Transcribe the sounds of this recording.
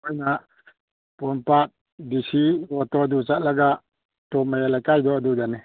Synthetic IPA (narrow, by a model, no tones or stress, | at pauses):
ɔjna | pɔmpat̚ | disiɡɔt̪ɔd̪ut͡ʃaʔ̚laɡa | tɔmajalajkajd̪ɔad̪udani